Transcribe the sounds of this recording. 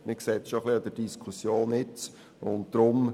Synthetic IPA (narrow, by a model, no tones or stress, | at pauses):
mɪksɛt͡sʃoχliɑd̥̪ədiskʰusjoːnɪt͡s | ʊnt̚d̥̪ɾʊm